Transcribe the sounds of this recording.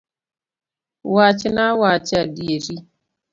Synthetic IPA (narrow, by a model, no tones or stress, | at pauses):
wat͡ʃɪnawat͡ʃɪadieɾi